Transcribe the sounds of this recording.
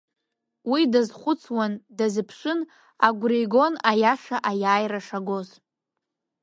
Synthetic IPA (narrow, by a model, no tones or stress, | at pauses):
widazχʷʊt͡sʰwandazɨpʰʂʷɨn | aɡʷriɡo̞najaʂaʔajaːjraʂaɡo̞z